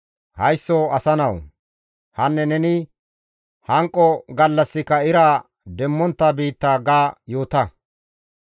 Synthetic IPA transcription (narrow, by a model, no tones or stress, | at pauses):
hɐjsːɔɐsɐnɐw | hɐnːɛnɛnɪ | hɐŋkʼːɔɡɐlːɐsːɪkɐɪɾaː | d̪ɛmːɔnt̪ːɐbiːt̪ːaːɡaːjo̞ːt̪ɐ